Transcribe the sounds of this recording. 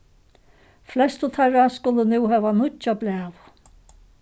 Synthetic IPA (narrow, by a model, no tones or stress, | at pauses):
flɛst̪ʊt̪ʰaɾaskʊlənuːɦɛːʋanʊt͡ʃablæːw